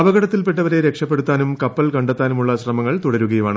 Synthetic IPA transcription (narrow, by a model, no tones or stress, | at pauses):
ɐʋɐɣɐɽɐt̪ːilpe̞ʈːɐʋɐɾe̞ɾe̞kʂɐpːe̞ɽut̪ːaːnumkɐpːɐlkɐɳɖet̪ːaːnumuɭːɐɕrɐmɐŋːɐɭt̪uɽɐɾuɣɐjumaːɳɨ